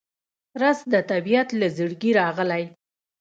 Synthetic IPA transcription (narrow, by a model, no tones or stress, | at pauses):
ɾasd̪ət̪abijat̪lazəɽɡiɾɑɣəlaj